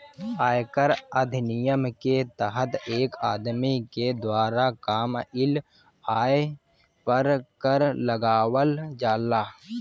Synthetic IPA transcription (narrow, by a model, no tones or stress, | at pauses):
aːjkəɾəd̪ʱnɪjəmket̪əɦət̪eːkaːd̪miked̪waːɾakaːmɪl | aːje | pəɾkəɾləɡaːwəld͡ʒaːlaː